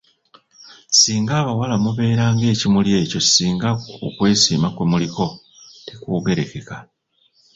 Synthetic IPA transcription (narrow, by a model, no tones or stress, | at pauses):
siːŋɡaːβawalamuβe̞ːɾaːŋɡe̞ːcimulje̞ːco̞siːŋɡaṵkwe̞ːsiːmakwe̞muliko̞ | tekuːɡe̞ɾe̞ke̞ka